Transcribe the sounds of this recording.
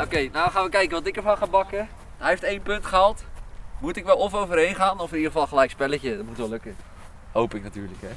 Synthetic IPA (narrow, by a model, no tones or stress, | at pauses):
okejnawχaːnʋəkɛjkəʋɑtɪkəɹfɑnχabɑkə | ɦɛjɦeftejnpɵntχəalˠtmutɪkʋɛlˠɔfowvərɦejnχaːnɔfnidəχəfɑlˠχəlɛjkspɛləcədɔt̚mutʋɛløkə | howpɪknatyːɹləkɦɛ